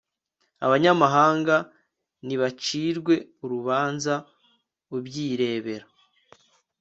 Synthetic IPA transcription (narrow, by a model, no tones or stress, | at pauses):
a̰βaɲamaɦaːŋɡa | niβat͡ʃiːɾɡwe̞uɾuβaːnza | ubɟiːɾe̞ːβe̞ɾa